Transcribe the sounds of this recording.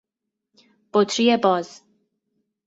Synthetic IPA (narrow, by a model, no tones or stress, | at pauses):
b̥ot̪ʰɾiebɒːz̥